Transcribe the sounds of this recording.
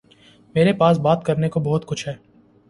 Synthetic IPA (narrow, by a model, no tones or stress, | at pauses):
meːɾepaːsbaːt̪kɐɾnekobɔɦʊt̪kʊt͡ʃʰɦɛː